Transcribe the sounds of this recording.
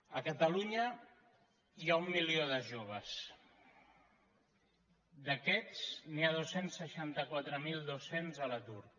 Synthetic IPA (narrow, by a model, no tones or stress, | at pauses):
əkət̪əluɲə | iaumːilioðəʒoβ̞əs | d̪əkɛt͡sniað̞osensːəʃant̪əkwat̪ɾəmilˠd̪osenzələt̪ur